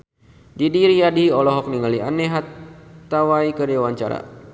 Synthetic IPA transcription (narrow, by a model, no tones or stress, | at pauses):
didiɾijadiɔlɔɦɔk̚niŋalianeɦat̪ːawaikədiawaɲt͡ʃa̰ɾa̰